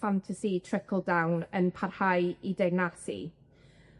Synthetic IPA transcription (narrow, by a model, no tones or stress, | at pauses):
fantʰasitʰrɪkʰəlˠdawnənpʰarhajidajnasḭ